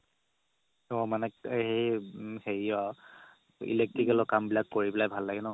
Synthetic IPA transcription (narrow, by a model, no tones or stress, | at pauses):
ɔmanɛhejxeɹiɔ | ḭlek̚tɹikɛlɔkambilakːoɹibilajbʱalːaɡɛnɔ